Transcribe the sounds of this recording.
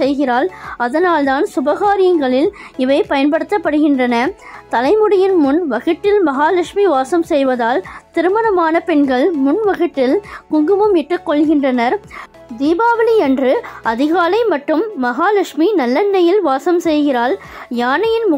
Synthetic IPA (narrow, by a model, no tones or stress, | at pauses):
sɛjɣɪraːlɐðɐnaːld̪aːnsʊbɐɣaːɾɪjɐŋɡɐɭɪlɪʋɐɪpɐjɐnpɐɽɯt̪ːɐpːɐɽɯɣɪndrɐnɐt̪ɐlɐɪmɯɽɐjɪnmʊnʋɐɣɯʈːɪlmɐɣaːlɐkʂmiʋaːsɐmsɛjʋɐðaːlt̪ɪɾɯmɐnɐmaːnɐpɛɳɡɐɭmʊnʋɐɣɯʈːɪlkʊŋɡɯʋɯmɪʈːɯkːɔɭɣɪndrɐnɐɾ | d̪iːbaːʋɐliɛndrɯɐðɪɣaːlɐɪmɐʈːɯmːɐɣaːlɐkʂminɐlːɐnːɐjɪlʋaːsɐmsɛjɣɪraːljaːnɐjɪnmʊ